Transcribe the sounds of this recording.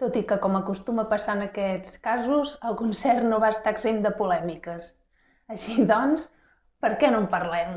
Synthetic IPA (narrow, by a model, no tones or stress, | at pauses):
t̪ot̪ikəkɔməkust̪uməpəsaənəkɛt͡skazuzəlˠkunsɛrnoβaəst̪aəɡzemd̪əpulɛmikəs | əʃiðɔns | pəɾkɛnompərlɛm